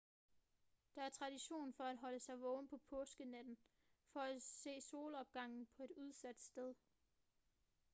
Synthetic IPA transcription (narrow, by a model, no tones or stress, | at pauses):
d̥ɑ̈æɐt͡sʰʁɑ̈d̥iɕo̝̰ːnfɒ̽æd̥ɦɒ̽ləsɑ̈ɪʋɔ̽ːmnpʰɒ̽pʰɔːsɡ̥ənæd̥n̩ | fɒ̽æse̝̰ːso̝ːləɒ̽b̥̚ɡ̥ɑ̈ŋ̰n̩pʰɒ̽e̝d̥uð̞ˠsæd̥sd̥eð̞ˠ